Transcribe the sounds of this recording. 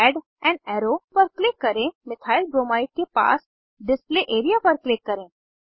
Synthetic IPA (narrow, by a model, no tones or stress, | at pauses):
ɛɖ | ɛ̃ɳɖɛːɾopəɾklɪkːɐɾẽmɪt̪ʰaːɪlbɾoːmaːɪʈ̚kepa̰ːs | ɖɪspleʔeːɾijapəɾklɪkːɐɾẽ